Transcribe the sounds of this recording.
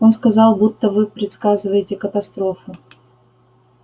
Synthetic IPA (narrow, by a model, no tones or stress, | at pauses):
o̞nskɐzɑlˠbut̪ːəvɨpɾʲɪt̪skazɨvəjɪtʲɪkət̪ɐst̪ɾo̞fʊ